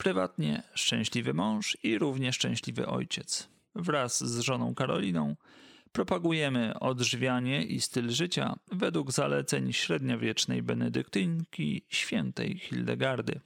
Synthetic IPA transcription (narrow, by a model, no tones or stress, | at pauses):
pɾɘvat̪ɲɛ̰ʂt͡ʂɛ̃w̃ɕlʲivɘmɔ̃w̃ʂiɾuvɲɛʂt͡ʂɛ̃w̃ɕlʲivɘ̰ʔɔ̰jt͡ɕɛt̪s | vɾasːʐɔnɔ̃w̃kaɾɔ̰lʲinɔ̃w̃pɾɔpaɡujɛmɘɔd̪ʐvʲjaɲɛʔist̪ɘlʐɘt͡ɕa̰vɛd̪wuɡzalɛt̪sɛɲɕɾɛd̪ɲɔvʲjɛt͡ʂnɛjbɛnɛd̪ɘkt̪ɘŋkʲiɕfʲjɛnt̪ɛ̰jxʲild̪ɛɡaɾd̪ɘ̰